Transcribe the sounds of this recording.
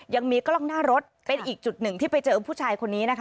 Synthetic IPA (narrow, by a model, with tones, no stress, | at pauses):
ja˧ŋmiː˧klɔ˥˩ŋnaː˥˩ɾo˦˥t̪̚pe˧nʔiː˨˩k̚t͡ɕu˨˩t̪̚nɯ˨˩ŋt̪ʰiː˥˩pa˧jt͡ɕɤː˧pʰuː˥˩t͡ɕʰaː˧jkʰo˧nːiː˦˥na˦˥kʰa˥